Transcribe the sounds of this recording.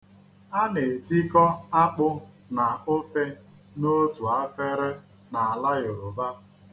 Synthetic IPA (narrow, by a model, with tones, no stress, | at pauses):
a˦ne˨ti˦kɔ˦a˦k͡pʊ˦ | na˨o˦fe˦ | no˦tu˨a˦fe˦ɾɪ˦ | na˨a˨la˦jo˨o˨ba˦